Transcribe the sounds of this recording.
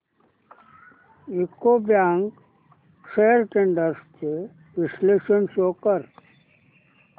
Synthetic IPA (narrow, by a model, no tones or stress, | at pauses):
ɪkːobjãːŋk | ʃejəɾʈeɳɖəɾske | ʋɪsleːʃənsoːkəɾ